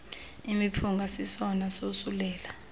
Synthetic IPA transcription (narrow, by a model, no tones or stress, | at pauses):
imipʰuŋɡʱasisɔnasosulɛːla